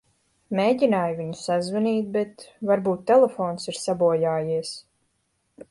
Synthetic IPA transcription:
meːɟinaːjviɲusazvɛniːt̪̚bɛt̪vaɾbuːt̪ːɛlɛfoːnsiɾsabuɔjaːjiɛs

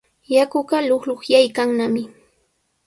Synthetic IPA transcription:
jakʊɢɑlʊχloχjajkaŋnamɪ

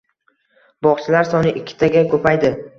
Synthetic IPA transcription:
bɒχt͡ʃʰɪlaɾsɒnɪʔɪkʲʰːɪ̥t̪ʰaɡʲakʰɵpʰajd̪ɪ

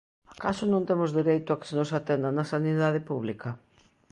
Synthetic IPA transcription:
akasʊnõnt̪emʊzðiɾejt̪ʊakɪ̥senosat̪end̪ɐnɐsaniðað̞ɪpuβlikɐ

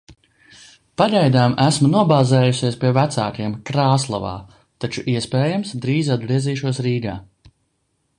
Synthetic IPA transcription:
paʎʲɛjd̪aːmæsmunuɔbaːzɛːjusiɛspʲiɛvæt̪sa̰ːkiɛmkɾaːslˠava̰ː | t̪at͡ʃuʔiɛspɛːjamsd̪ɾiːzad̪̚bɾiɛziːʃuɔsɾiːɡaː

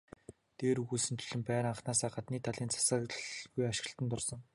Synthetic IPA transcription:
t̪eːɾɣusɘ̆nt̪ʰɵ̥ɮɵ̆mpæːɾaɴχnaːsaːɢat̪niːt̪ʰaɮiːnt͡sʰḁsə̆kɡujaʃɪ̆ɬt̪ə̆nt̪ʊrsɞ̆ŋ

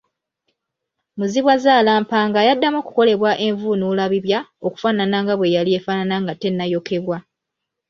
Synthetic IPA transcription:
muziβwazaːlaːmpaːŋɡajadːamoːku̥ko̞le̞βwaʔe̞ɱvunulaβiβjao̞ku̥faːnanaŋɡaβwe̞jaliefaːnanaŋɡatːe̞nːajo̞kʰe̞βwa

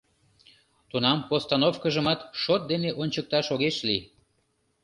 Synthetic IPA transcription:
t̪unɑmpost̪ɑnofkəʒəmɑt̪ʃot̪̚d̪eneʔonʲt͡ɕək̚t̪ɑʃoɣeʃli

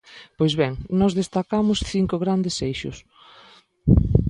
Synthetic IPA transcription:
pojzβɛŋnɔzðest̪akamʊsθiŋkʊɣɾand̪esejʃʊ̰s

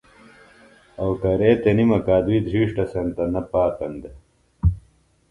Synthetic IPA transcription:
ɐwkɐɾeːt̪enimɐkaːd̪uid̪ʱɾiːʂʈɐsɐnt̪ɐnɐpaːt̪ɐnd̪e

